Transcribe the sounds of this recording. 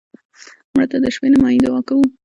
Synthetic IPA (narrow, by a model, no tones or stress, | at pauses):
mɽat̪ad̪əʃwenamɑjid̪awɑkawu